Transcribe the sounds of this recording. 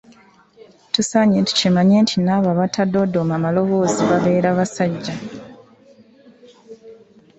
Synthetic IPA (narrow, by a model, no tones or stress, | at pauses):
tusaɲenti̥cemaɲe̞ːntʰinaːβaβatʰado̞domamalo̞βo̞ːziβaβe̞ːɾaβasaɟːa